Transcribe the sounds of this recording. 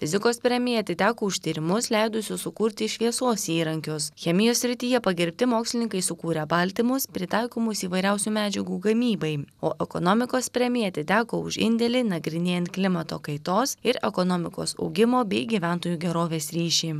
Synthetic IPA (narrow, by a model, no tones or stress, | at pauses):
fʲɪzʲɪkoːspʲɾʲɛmʲɪjɛɐt̪ʲɪt̪ʲæːkoːʊʃʲt̪ʲiːɾʲɪmʊslʲɛɪd̪ʊsʲʊssʊkuːɾʲt̪ʲɪʃʲʋʲiɛsoːsiːɾɐŋʲkʲʊsxʲɛmʲɪjoːssʲɾʲɪt̪ʲiːjɛpɐɡʲɪɾʲpʲt̪ʲɪmoːksʲlʲɪnʲɪŋkɐɪsʊkuːɾʲɛbɐlʲt̪ʲɪmʊspʲɾʲɪt̪ɐɪkoːmʊsiːʋɐɪɾʲɛʊsʲuːmʲæːd͡ʒʲɛɡuːɡɐmʲiːbɐɪoːʔɛkɔnoːmʲɪkoːspʲɾʲɛmʲɪjɛɐt̪ʲɪt̪ʲæːkoːʊʃɪ̰nʲd̪ʲɛlʲiːnɐɡɾʲɪnʲeːjɛnt̪̚klʲɪmɐt̪oːkɐɪt̪oːsɪɾɛ̰kɔnoːmʲɪko̰ːsɐ̰ʊɡʲɪmoːbʲɛɪɡʲiʋʲæˑnt̪oːjuːɡʲɛɾoːʋʲeːsɾʲiːʃʲiː